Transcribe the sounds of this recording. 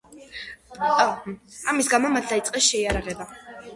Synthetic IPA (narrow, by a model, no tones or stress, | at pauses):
amisɡamɔmat̪ʰd̪ait̪sʼqʼɛsʃɛiaɾaʁɛba